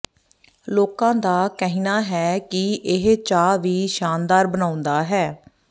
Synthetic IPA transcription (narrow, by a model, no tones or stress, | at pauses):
loːkãːd̪aːkəɦinaːɦɛːkɪʔɪɦt͡ʃaːʋiːʃaːnd̪aːɾbənaːʊ̃nd̪aːɦɛː